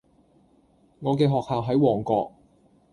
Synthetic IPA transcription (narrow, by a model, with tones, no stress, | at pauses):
ŋɔː˨˧k̬ɛː˧ɦɔː˨k̚haː˨wɦɐ˨˥jwɔː˨˩ŋkɔː˧k̚